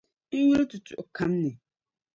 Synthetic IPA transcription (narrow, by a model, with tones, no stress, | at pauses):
ŋ̩˦ju˦ltʰu˨tʰʊ˨ʔkʰã˦mnɪ̃˨